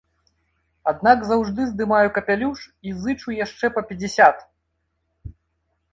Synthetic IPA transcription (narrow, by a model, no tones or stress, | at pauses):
ad̪̚naɡzawʐd̪ɨzd̪ɨmajukɐpʲalʲuʂizɨt͡ʂujaʂt͡ʂɛpɐpʲɛd͡zʲɛsʲat̪